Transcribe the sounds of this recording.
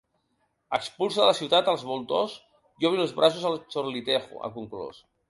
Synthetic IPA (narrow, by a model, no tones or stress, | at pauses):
əkspulˠsəðələsiwt̪at̪əlˠzβulˠt̪os | jɔβɾilˠzβɾʔas̬uzəlˠt͡ʃoɾlit̪exṵʔə̰kuŋklṵs